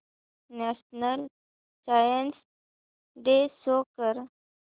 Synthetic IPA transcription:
naʃnəl | sajəns | d̪esokəɾ

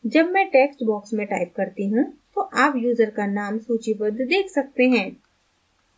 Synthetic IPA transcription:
d͡ʒɐbmɛ̃ʈeːksʈbɔːksmẽʈaːɪp̚kɐɾt̪iɦũt̪oʔaːpjuːzəɾkanaːmsuːt͡ʃibəd̪d̪eːkʰsɐk̚t̪eɦɛ̃ː

